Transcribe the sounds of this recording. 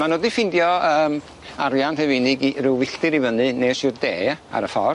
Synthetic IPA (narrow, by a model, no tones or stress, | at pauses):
manoːdifɪndjɔəːm | aɾjanr̥ɛvɪnɨɡirɪwwɪɬtɨɾivənɨneːsɪrdeːa̰ɾəfɔr